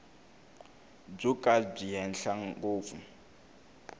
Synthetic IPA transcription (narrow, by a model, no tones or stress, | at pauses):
b͡ʐukʼab͡ʐijɛn̩ɬaŋɡoːfu